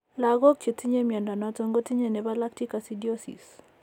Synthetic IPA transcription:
la˨ɡɔ˦k̚t͡ʃe˨ti˦ɲe˦mja˨nda˨na˦to˦ŋɡo˦ti˦ɲe˨nɛ˨ba˦la˦k̚ti˦ka˨si˦djo˦sḭ˨s

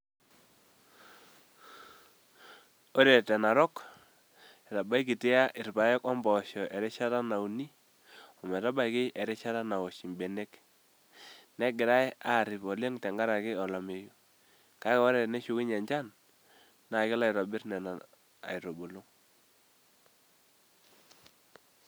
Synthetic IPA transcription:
ɔ˦ɾɛ˨tɛ˨na˨ɾɔ˦k | ɛ˨ta˨ba˦jki˨tɪ˦a˦ʔɪ˨rpa˨jɔ˦kɔ˦mbɔ˨ʃɔ˨ʔɛ˨ɾɛ˦ʃa˦ta˦na˨u˨ni˦ | ɔ˨mɛ˨ta˦ba˦jkɪ˦ʔɛ˨ɾɛ˦ʃa˦ta˦na˨wɔ˨ʃi˨mbɛ˨ne˦k | nɛ˦ɡɪ˨ɾa˦ja˦˨ɾɪ˨pɔ˨lɛ˦ŋtɛ˨ŋɡa˦ɾa˨kɪ˦ɔ˨la˨me˨ju˦ | ka˦kɔ˦ɾɛ˨nɛ˦ʃu˨˦kɪ˦ɲɛ˨ɲd͡ʒa˦nː | a˨kɪ˦la˨ɪɾɔ˨bɪ˦ɾnɛ˨na˨ | a̰˨i˨ɾɔ˨bo˨lu˦ŋ

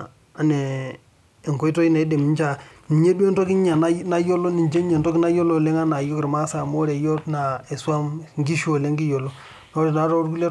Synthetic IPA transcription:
a˨neː˨ | ŋko˦i˦to˦i˦na˨i˦de˨mi˦nt͡ʃa˦˨ni˨ɲe˦dwe˦nto˦ki˦ɲa˨n˦na˦jo˦lo˦ni˨ɲd͡ʒe˦ɲe˨ntɔ˦ki˦na˦jo˦lo˦˨le˦ŋa˦na˨jo˦kɪ˨ɾma˦sa˨mo˦ɾe˨jo˦tna˨e˨swa˦mŋɡi˦ʃo˨le˦ŋɡi˦jo˨lo˦ | no˦ɾe˨da˨˦ɾo˦ɾku˦le˦

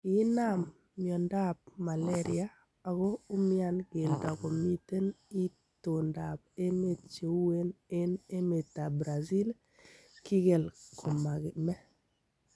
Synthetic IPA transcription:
ɪ˦na˦˨mː | jɔ˨nda˦p̚ma˨lɛ˦ɾɪa˦ | a˨ɣo˦ʊ˦mɪ˦a˦nɡe˨lda˨ko˨mi˦te˦ni˦ | to˨nda˨pe˦me˦t͡ʃe˨˦we˦ne˦ne˦me˨ta˨bɾa˨zi˦l | ki˦ɡe˨lkʰo˨ma˨ɡmɛ˦

